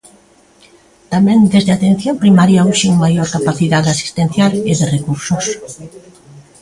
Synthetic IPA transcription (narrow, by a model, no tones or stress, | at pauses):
t̪amɛ̃ŋd̪ezðeat̪en̟θjompɾimaɾjauʃiumajoɾkapaθiðaðasi̥st̪en̟θjaleðerekuɾsos